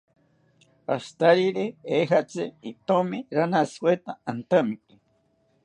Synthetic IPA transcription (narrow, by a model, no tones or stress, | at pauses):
a̰st̪aɾiɾeeɦat͡sɨ̰it̪omiɾanaskwet̪aant̪əmiki